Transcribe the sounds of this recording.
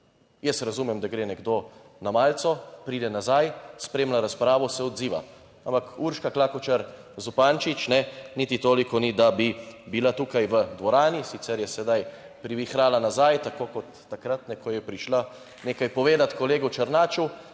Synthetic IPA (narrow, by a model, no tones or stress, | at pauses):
jəsɾazuːmɛmd̪aɡɾeːnɛɡd̪o | namaːlt̪sɔpɾiːd̪ɛnazajspɾeːmlaɾaspɾaːʋɔsɛɔd̪ziːʋa̰ | ampakuɾʃkaklakɔt͡ʃaɾ | zupaːnt͡ʃit͡ʃnɛnit̪it̪oːlikɔnid̪abibilat̪uːkajʋəd̪ʋɔɾaːnisit̪sɛɾjɛsɛd̪aj | pɾiʋixɾaːlanazajt̪akoːkɔt̪ːakɾat̪nɛkʰɔjɛpɾiʃla | neːkajpɔʋeːd̪at̪kɔleːɡɔt͡ʃɐɾnaːt͡ʃu